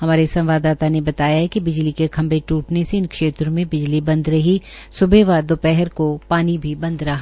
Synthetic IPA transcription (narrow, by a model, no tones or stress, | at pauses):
ɦɐmaːɾesɐ̃mʋaːd̪aːt̪anebɐt̪aːjaɦɛkibɪd͡ʒlikekʰɐ̃mbeʈuːʈneseɪnkʃeːt̪ɾõmẽbɪd͡ʒlibɐ̃nd̪ɾɐɦi | sʊbeʋaːɾd̪opɛɦɛɾkopaːnibʱibɐ̃nd̪ɾɐɦa